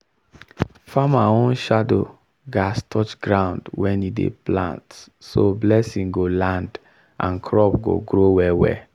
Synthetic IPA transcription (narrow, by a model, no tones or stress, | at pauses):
famaõnʃado̰ | ɡastʰɔt͡ʃɡɹãʊ̃ndwɛ̃nidḛplã̰nt | soblɛsĩŋɡolãnd | ã̰nkʰɹɔpɡo̰ɡɹowɛwɛ̰